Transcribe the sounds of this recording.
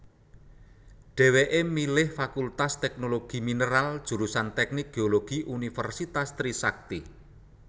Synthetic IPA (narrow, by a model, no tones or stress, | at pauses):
ɖ̥ɛ̤weʔemilɪhfakult̪ast̪ɛknoloɡ̥i̤minəɾald̥ʒ̥ṳɾusant̪ɛk̚nik̚ɡ̥eoloɡ̥iʔunifɛrsit̪ast̪ɾisak̚t̪i